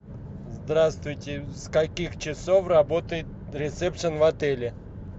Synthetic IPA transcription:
zd̪ɾast̪vʊjtʲɪskɐkʲixt͡ɕɪsofrɐbot̪əjɪt̪̚ | ɾʲɪt̪sɛpʂənvɐt̪ɛlʲɪ

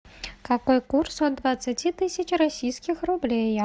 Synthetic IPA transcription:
kakojkursond̪vat̪sɨtʲit̪ɨsʲət͡ɕrɔsʲijsʲkʲixrublʲej

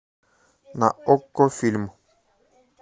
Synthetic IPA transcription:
naokːofilm

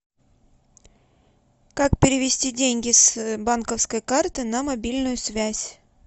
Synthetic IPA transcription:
kakpʲɪɾʲɪvʲɪsʲtʲidʲenʲɡʲɪsbankəfskəjkart̪ɨnɐmɐbʲilʲnʊjʊsvʲæsʲ

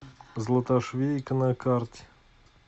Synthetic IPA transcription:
zlˠət̪aʂvʲekənakartʲ

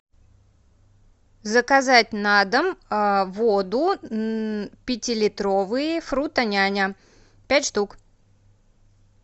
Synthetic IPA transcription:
zəkɐzat̚ʲnad̪əmvod̪ʊ | pʲɪtʲɪlʲɪt̪ɾovɨjɪfɾut̪ɐnʲanʲə | pʲætʲʂt̪uk

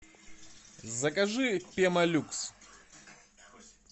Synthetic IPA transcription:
zɐkɐʐɨpʲeɛmɐlʲuks

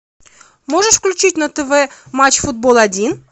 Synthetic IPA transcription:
mo̞ʐəʂfklʲʉt͡ɕitʲnət̪ɛvɛmat͡ɕfʊd̪̚bo̞lˠɐdʲin

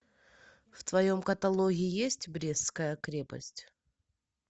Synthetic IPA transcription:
ft̪vɐjomkɐt̪ɐlˠoɣʲɪɪjesʲtʲbɾʲeskəjəkɾʲepə̰sʲtʲ

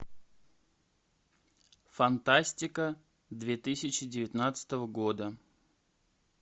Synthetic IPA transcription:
fɐnt̪asʲtʲɪkə | d̪vʲet̪ɨsʲɪt͡ɕɪdʲɪvʲɪt̪ʲnat̪sə̥t̪əvəɡo̞d̪ə

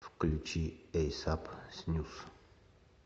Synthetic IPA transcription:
fklʲut͡ʃiɛjsapsnʲuf

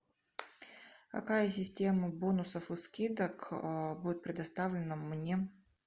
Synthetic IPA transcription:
kɐ̰kajəsʲɪsʲtʲe̞məbonʊsəfɨskʲid̪əkbudʲɪt̪̚pɾʲɪd̪ɐst̪avlʲɪnəmnʲe

